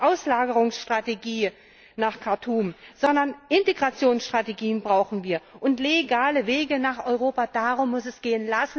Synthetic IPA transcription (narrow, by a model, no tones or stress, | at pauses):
ʔaʊslaːɡəʁʊŋsʃtʁ̥ateɡiː | naːχkʰaɐtʰuːmz̥ɔndɐnʔɪnteɡʁat͡sjoːnsʃtʁ̥ateɡiːənbʁaʊxn̩viːɐʔʊntleɡaːləveːɡənaːχɔʏʁoːpadaːʁʊmːʊsɛsɡ̥eːənlasn̩